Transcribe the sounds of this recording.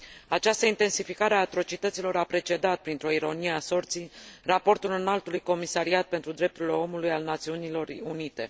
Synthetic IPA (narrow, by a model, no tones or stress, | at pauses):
at͡ʃast̪əint̪e̞nsifikaɾeaːt̪ɾo̞t͡ʃit̪ət̪silo̞ɾapɾe̞t͡ʃe̞d̪at̪̚pɾint̪ɾo̞iɾo̞nije̞aso̞rt̪sijrapo̞rt̪ulɨnalt̪ulujko̞misaɾiat̪̚pe̞nt̪ɾud̪ɾe̞p̚t̪uɾile̞o̞mulujalnat̪siunilo̞runit̪e̞